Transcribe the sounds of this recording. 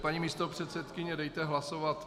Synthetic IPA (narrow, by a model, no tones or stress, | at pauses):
paɲimiːst̪opr̝̥ɛt̪sɛt̪kɪɲɛdɛjt̪ɛɦlasovat̪